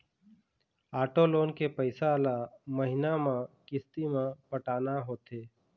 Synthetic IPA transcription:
aːʈoːloːnkepəɪsalaməɦɪnamãkɪst̪imãpəʈaːnaɦoːt̪eː

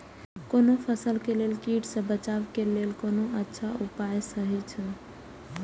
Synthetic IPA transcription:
konopʰəsəlkelelkiʈsə̃bət͡ʃabkelelkonoʔətːʃʰaʔupajsəɦɛt͡ʃʰə

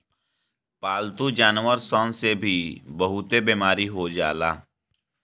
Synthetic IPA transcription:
paːlt̪ud͡ʒaːnwəɾsɔ̃ːnsebʱibəɦʊt̪ebeːmaːɾiɦod͡ʒa̰ːla̰ː

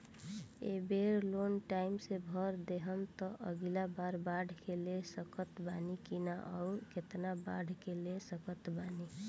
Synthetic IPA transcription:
ḛbeɾlonʈaɪmsebʱəɾd̪eɦəmt̪ɔʔəɡilabaɾbaɖʱkelesəkət̪banikinaʔɔuɾket̪naba̰ɖʱkelesəkət̪bani

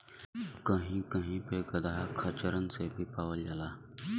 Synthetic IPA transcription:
kəɦĩːkəɦĩːpeɡəd̪aːɦkʰət͡ʃəɾənsebʱiːpaːʋəld͡ʒalaː

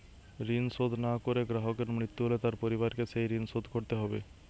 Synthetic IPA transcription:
ɾinsod̪ʱnakoɾeɡɾaɦokeɾmɾit̪ːuɦolet̪aɾpoɾiβaɾkeʃejɾinsod̪ʱkoɾt̪eɦɔbḛ

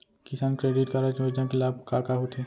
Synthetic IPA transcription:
kɪsaːnkɾeːɖɪʈkɐɾat͡ʃʋed͡ʒãkelaːb̚kaːkaɦot̪ʰeː

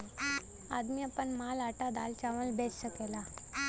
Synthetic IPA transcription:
ad̪mijəpəɳmalaʈad̪alt͡ɕaʋəlbesɕəkela

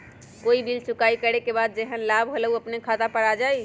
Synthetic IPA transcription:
koibilt͡ʃukaikəɾekebad̪̚d͡ʒeɦənlabɦoləuəpnekʰat̪apəɽad͡ʒaj

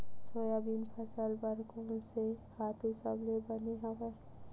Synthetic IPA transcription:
soːjabinpʰəsəlbəɾkɔːnsehaːt̪ʰɦɪsablebəneɦəʋɛ

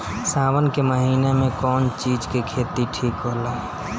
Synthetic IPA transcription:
saːwənkeməɦiːnemẽkɔːnt͡ʃiːd͡ʒkekʰeːt̪iʈʰiːkɦoːlaː

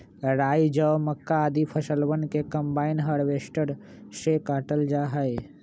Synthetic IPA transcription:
ɾaːid͡ʒəwməkːaːd̪ipʰəsəlwənkekəmbaːɪnɦəɽʋeːsʈəɾ | sekaːʈəld͡ʒaɦəe

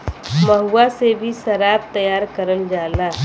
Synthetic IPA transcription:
mɐɦuːasebʱiʃɐɾaːb̚t̪ɐjaːɾkəɾəld͡ʒaːlaː

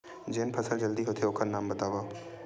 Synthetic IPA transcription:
d͡ʒeːnpʰəsəld͡ʒəld̪iɦoːt̪ʰeokʰəɾnaːmbɐt̪aːʋaː

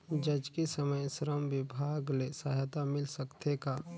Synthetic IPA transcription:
d͡ʒɐd͡ʒkisəməjsɾəmʋɪbʱaːɡlesaɦt̪amɪlsəkt̪eka

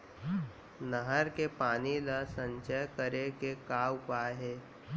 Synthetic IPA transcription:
nəɦəɾkepaːniləsə̃ɲt͡ʃəjkəɾekekaːʊpaːɦeː

